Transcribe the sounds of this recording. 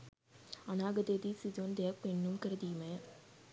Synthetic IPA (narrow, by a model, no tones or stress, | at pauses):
ɐnaːɡɐd̪ed̪isid̪oːnd̪eɐk̚peɳːumkɐɾɐd̪iːmɐja